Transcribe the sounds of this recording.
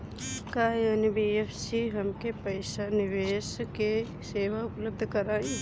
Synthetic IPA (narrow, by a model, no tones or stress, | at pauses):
kajaːnibiːepʰsiɦəmkepəɪsanɪʋeːske | seːʋaʊpləb̚d̪ʱkəɾaːĩ